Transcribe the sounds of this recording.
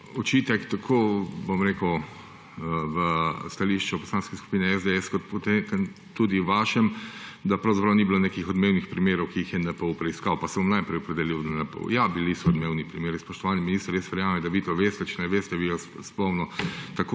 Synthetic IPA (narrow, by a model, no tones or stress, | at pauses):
ɔt͡ʃit̪ɛkt̪akʰobomɾeːkəw | ʋəst̪aliʃt͡ʃupɔslaːnskɛsku̥piːnɛɛzd̪eɛskɔt̪pot̪ek | t̪ːud̪iʋaʃɛmd̪apɾawzapɾawnibilonekixɔd̪meːwnixpɾimeːɾɔwkiixjɛnɛpɛwpɾɛiskaːwpasɛbomnajpɾɛjɔpɾɛd̪ɛliwd̪ɛnɛpə̰wjabilisɔɔd̪meːwnipɾimeːɾispɔʃt̪ɔʋaːnɛminist̪ɾjesʋɛɾjaːmɛd̪aʋit̪oʋeːst̪ɛt͡ʃɛnɛʋeːst̪ɛbijɔsspɔwnɔt̪ako